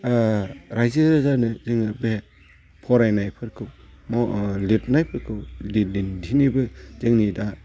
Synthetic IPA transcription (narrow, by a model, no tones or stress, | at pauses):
ɾajziɾɯzanɯzɯŋɯbe | pʰɔɾajnajpʰɯɾkʰɯw | mɔlit̚najpʰɯɾkʰɯwlilindinibɯzɯŋnida